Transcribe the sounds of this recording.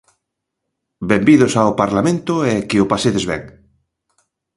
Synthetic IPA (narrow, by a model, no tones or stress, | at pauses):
bembiðosawpaɾlamẽnt̪oɛkeopaseðezβɛ̰ŋ